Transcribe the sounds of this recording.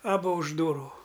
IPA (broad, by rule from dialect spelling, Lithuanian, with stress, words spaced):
ɐˈbʊ ʊʃ ˈduːruː